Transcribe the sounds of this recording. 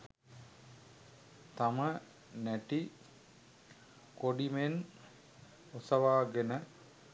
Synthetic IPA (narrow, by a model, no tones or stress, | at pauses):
t̪amə | næʈi | koɖimen | osɐʋaːɡenə